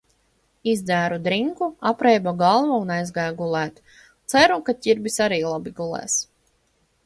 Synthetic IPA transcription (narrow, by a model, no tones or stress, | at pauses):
izd̪æːɾud̪ɾiŋkuapɾɛjbaɡalˠvaunajzɡæːɡulˠæːt̪ | t̪sæɾukacʲiɾbisaɾiːlˠabiɡulˠɛ̰ːs